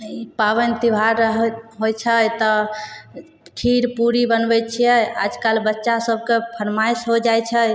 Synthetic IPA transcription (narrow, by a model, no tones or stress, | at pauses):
ipaβənt̪ibʱaɾəɦɦojt͡ʃʰət̪ɔ | kʰiɾpuɾibənbɛt͡ʃʰijɛa̰d͡ʒkalbətːʃasəb̚ʱkepʰəɾmajsɦod͡ʒajt͡ʃʰə